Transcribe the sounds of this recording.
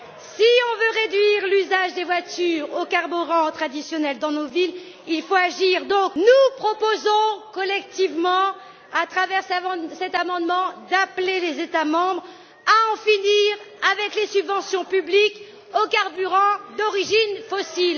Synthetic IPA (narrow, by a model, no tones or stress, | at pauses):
siɔ̃vøʁed̪ɥiʁlyzaʒd̪evwat̪yʁokaʁbyʁɑ̃t̪χad̪isjɔnɛld̪ɑ̃novil | ilfoaʒiʁd̪ɔ̃knupχɔpozɔ̃kɔlɛk̚t̪ivmɑ̃ | at̪χavɛʁssɛt̪amɑ̃d̪mɑ̃d̪aplelezet̪amɑ̃bʁ | aɑ̃finiʁavɛklesybvɑ̃sjɔ̃pyblik | okaʁbyʁɑ̃d̪ɔʁiʒinfɔsil